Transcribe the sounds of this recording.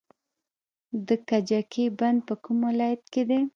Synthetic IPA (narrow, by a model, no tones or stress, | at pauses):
d̪əkad͡ʒakʰeband̪̚pəkumwalɑjat̪ked̪e